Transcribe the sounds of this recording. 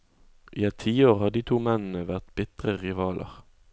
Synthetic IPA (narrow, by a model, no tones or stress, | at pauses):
ʔiːɛt̪ʰiːoːʁhɑːd̪iːt̪ʰuːmɛnn̩əʋæʁt̪b̥ɪt̪ʁəʁɪʋɑːlʔə̰ʁ